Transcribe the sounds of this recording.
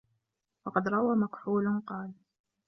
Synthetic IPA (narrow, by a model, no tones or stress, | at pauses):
wɑqɑd̪ɾˤɑwaːmakħuːlqɑːl